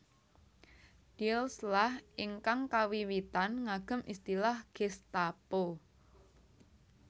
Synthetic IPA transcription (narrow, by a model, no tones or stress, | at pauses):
d̥ilslahʔiŋkaŋkawiwit̪anŋaɡ̥ə̤mʔist̪ilahɡ̥est̪apo